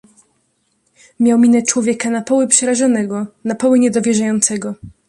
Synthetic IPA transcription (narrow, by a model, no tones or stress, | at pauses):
mʲjawmʲinɛt͡ʂwɔvʲjɛkanapɔwɘpʂɛɾaʐɔnɛɡɔnapɔwɘɲɛd̪ɔvʲjɛʐajɔnt̪sɛɡɔ